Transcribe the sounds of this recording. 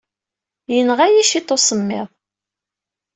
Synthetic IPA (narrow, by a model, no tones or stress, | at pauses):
jənʁæjiʃit̪ˤːosəmːɪðˤ